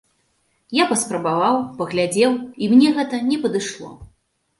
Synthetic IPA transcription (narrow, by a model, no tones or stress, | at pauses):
japɐspɾɐbavawpɐɣlʲad͡zʲɛwimnʲɛɣɛt̪ɐnʲɛpɐd̪ɨʂlˠɔ̰